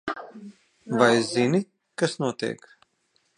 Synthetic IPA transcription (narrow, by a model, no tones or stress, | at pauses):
vajzini | kasnuɔt̪ḭɛk